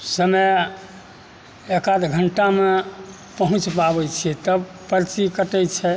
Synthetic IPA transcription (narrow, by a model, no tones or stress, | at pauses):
səmə | ekad̪ɡʱəɳʈame | pəɦũt͡ʃpabɛt͡ʃʰit̪əb | pəɾt͡ʃikəʈɛjt͡ʃʰɛ